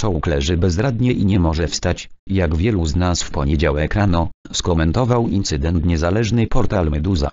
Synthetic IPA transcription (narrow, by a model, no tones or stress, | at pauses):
ʂɔwuklɛʐɘbɛzɾad̪ɲɛʔiɲɛmɔʐɛfst̪at͡ɕ | jaɡvʲjɛluznasfpɔɲɛd͡ʑawɛkɾanɔ | skɔmɛnt̪ɔvawint̪sɘd̪ɛnt̪ɲɛzalɛʐnɛjpɔɾt̪almɛd̪uza̰